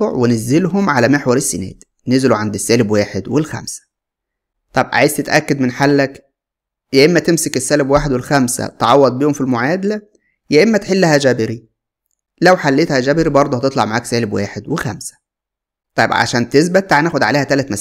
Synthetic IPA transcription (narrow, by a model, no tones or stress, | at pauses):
oʕwenezːelɦomʕalæmeħwɑɾˤesːenæ̰ːd̪ | nezeluʕand̪esːæːlebwaːħed̪welxæ̰msæ̥ | t̪ˤɑbʕaʕa̰jzt̪et̪ʔækːæd̪menħalːæk | jæʔemːæt̪emsekesːæːlebwaːħed̪welxæmsæ̰t̪ʕɑwːɑd̪̚ˤbiːhomfilmoʕaːd̪ælæ | jæʔemːæt̪ħelːæhæʒæbeɾi | læwħalːeːt̪hæd͡ʒæːbeɾibɑɾˤd̪ˤohæt̪et̪ˤlɑʕmaʕaːksæːlebwa̰ːħed̪wexæ̰msæ̥ | t̪ˤɑjebʕa̰ʃæːnt̪es̬bæt̪ːaʕnæːxod̪ʕaleːhæt̪ælæt̪mæ